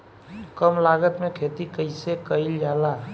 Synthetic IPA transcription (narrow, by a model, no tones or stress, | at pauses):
kəmlaɡət̪mekʰet̪ikəɪsekəɪld͡ʒala